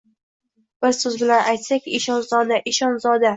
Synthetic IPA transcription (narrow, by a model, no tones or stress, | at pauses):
b̥ɪzsɵzbʲɪlanajt̪sakʲɪʃɒnzɒd̪aʔɪʃɒnzɒd̪a